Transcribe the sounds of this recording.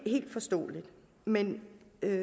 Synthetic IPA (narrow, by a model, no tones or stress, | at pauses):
he̝̰ːld̥fɒ̽sd̥ɔ̰ːlid̥ | menø